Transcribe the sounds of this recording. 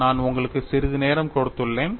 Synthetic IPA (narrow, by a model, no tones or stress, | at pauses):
naːnʊŋɡɐɭɯkːɯsɪɾɯðɯneːɾɐmkɔɽɯt̪ːɯɭːeːn